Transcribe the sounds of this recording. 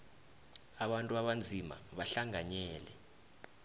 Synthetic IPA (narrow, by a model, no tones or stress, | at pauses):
aɓantʼuaɓand͡zʱima̰ɓaɬaŋaɲɛːlɛ